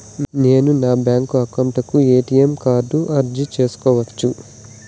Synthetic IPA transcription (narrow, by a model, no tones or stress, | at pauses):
ne̞ːnunaːbjaːŋkuɐkɐmʈɐkueːʈijemkaːɾɖuʔɐɾd͡ʒit͡ʃe̞ːsu̥kɔːʋɐt͡ʃːu